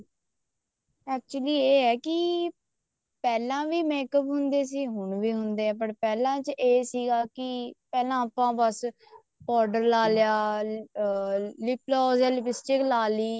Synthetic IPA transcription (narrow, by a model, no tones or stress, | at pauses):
ɛːk̚t͡ʃʊliːeːɛːkɪ | pɛːlãːʋiːmeːkəpɦʊnd̪eːs̬iːɦʊɳʋiːɦʊnd̪eːɛːpəʈpɛːlãːt͡ʃʔeːsiːɡaːkɪpɛːlãːapãːbəs | pɔːɾɖəɾlaːlɪjaː | lɪploːzɛlbɪsʈɪklaːliː